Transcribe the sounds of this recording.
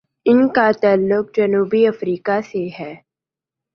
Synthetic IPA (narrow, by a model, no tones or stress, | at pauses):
ɪnkat̪aːlːʊk̚d͡ʒɐnuːbiɐfɾiːkaseɦɛː